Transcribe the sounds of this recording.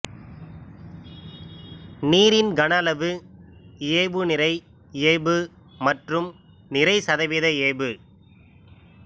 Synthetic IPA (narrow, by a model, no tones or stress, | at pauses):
niːɾɪnɡɐɳɐlɐʋɯ | eːbɯnɪɾɐɪ | eːbɯ | mɐʈrɯm | nɪɾɐɪsɐðɐʋɪðɐeːbɯ